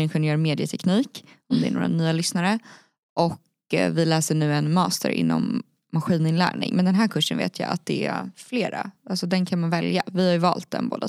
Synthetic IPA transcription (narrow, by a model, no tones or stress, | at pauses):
ɪnɧɛnjœːɾmeːd̪ɪət̪ʰɛkniːk | ɔmd̪ɛæɳo̰ːɾa̰nyːalʏsnaɾə | ʔɔk | vɪlæːsəɳʉ̟ːɛnmɑːst̪ə̰ɾʔɪ̰nːɔ̰mː | aɧiːnɪnlæ̰ːɳɪ̰ŋmɛnd̪ɛnɦæːɾkʰɵʂːənvḛːt̪ʰja̰ːa̰t̪̚d̪ɛæfleːɾaalsɔd̪ɛnkʰanmanvɛljavɪhaɾjɵvɑ̰ːlt̪̚d̪ɛ̰nbo̰ːd̪a